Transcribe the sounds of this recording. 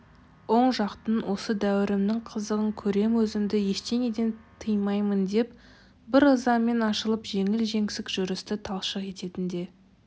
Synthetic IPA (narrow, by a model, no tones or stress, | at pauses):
wo̞ɴʒɑqt̪ənwʔo̞səd̪æwɪɾɪmnɪŋqʰəzəʁəŋkʲʰɵɾe̞mwɵzɪmd̪ɪje̞ʃt̪e̞ŋe̞d̪e̞nt̪ʰəjmɑjmənd̪e̞p | bɪɾəzɑmːe̞nɑʃəlˠəpʒe̞ŋɪlʒe̞ŋsɪkʒ̥ʊɾɪst̪ɪt̪ʰɑlˠʃəqe̞t̪e̞t̪ɪnd̪e̞